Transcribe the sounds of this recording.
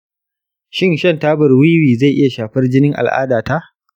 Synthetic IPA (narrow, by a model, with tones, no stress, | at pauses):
ʃɪ˦nʃɐ˦ntaː˦bɐ˨rwiː˦wiː˨za˦˨jʔɪ˦ja˨ʃaː˨ɸɐ˦rd͡ʒɪ˦nɪ˦ŋʔa̰˨lʔa̰ː˦daː˨ta˦ʔ